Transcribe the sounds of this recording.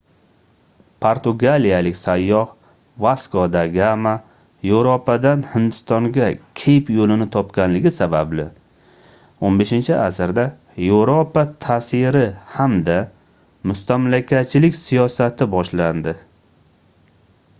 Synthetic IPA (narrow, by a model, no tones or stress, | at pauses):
pʰoɾt̪ʊɡalijalɪkʲsajːɒh | vaskod̪aɡama | jewɾopʰad̪anhɪnd̪ɪst̪ɒŋɡʲakʲʰejpjolɪnɪt̪ʰɒpkʲanlɪɡʲɪsabablɪ | onbe̞ʃɪnt͡ʃʰɪʔasɾd̪a | jewɾopat̪ʰasɪɾɪhamd̪a | mʊst̪amlakʲat̪̚t͡ʃʰɪlɪkʲsijɒsat̪ʰɪbɒʃland̪ɪ